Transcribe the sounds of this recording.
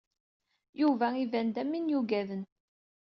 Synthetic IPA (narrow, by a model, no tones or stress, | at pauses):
juvæivænd̪æmːinjuɡæðən